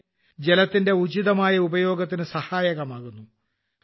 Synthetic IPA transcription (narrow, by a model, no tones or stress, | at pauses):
d͡ʑe̞lɐt̪ːinde̞ud͡ʑiðɐmaːjɐubɐjo̞ːɡɐt̪ːinɨsɐhaːjɐɣɐmaːɣunːu